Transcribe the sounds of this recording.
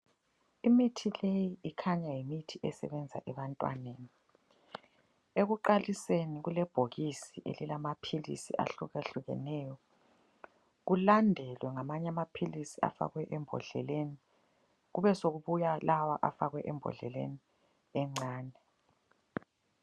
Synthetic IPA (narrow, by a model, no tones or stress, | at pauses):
imitʰilejiikʰaɲajimitʰiʔɛsɛ̰βɛnd͡zʱa̰ʔɛβantʼwa̰neːni | eɣuǃaliseniɣulɛb̥ʱoɣisiʔḛlilamapʰilḭsḭʔa̰ɬuɣaɬuɣɛ̰nɛːjɔ | ɣulandʱɛlwɛŋamaɲɛamapʰilisia̰fa̰ɣwɛʔɛmbʱɔ̰ɮɛ̰leni | ɣuβɛsoɣuβujalawaʔafaɣwɛʔɛmbʱɔ̰ɮɛ̰lḛni | ɛŋ͡ǀaːnɛ